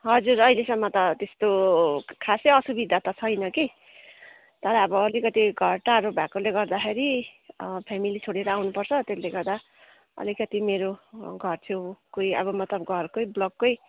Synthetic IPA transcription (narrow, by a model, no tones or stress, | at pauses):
ɦʌd͡zurʌilesʌmːʌt̪ʌt̪est̪okʰaseʌsubid̪ʱat̪ʌt͡sʰʌjnʌki | t̪ʌɾʌːbʌːlikʌt̪iɡʱʌrʈaɾobʱakoleɡʌrd̪axʰeɾi | pʰamilit͡sʰoɽeɾʌawnupʌrt͡sʰʌt̪esleɡʌrd̪a | ʌ̰likʌt̪imeɾoɡʱʌrt͡sʰew̃kojʌ̰βʌmʌt̪lʌbɡʱʌrkojblʌɡːoj